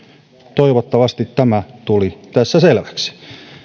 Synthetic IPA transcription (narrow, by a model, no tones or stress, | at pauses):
t̪oiʋot̪ːɑʋɑst̪it̪tæmæt̪ulit̪æsːæselʋæ̥ksi̥